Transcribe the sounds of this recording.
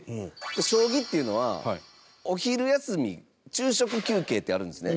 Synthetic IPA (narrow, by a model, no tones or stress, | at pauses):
d̪eɕo̞ːɡʲit̪ːe̞iɯ̟no̞βa̰ | o̞çiɾɯ̟jasɨmʲḭ | t͡ɕɨːɕo̞kɯ̟kʲɨːke̞ːt̪ːe̞aɾɯ̟̃nd̪e̞sɨne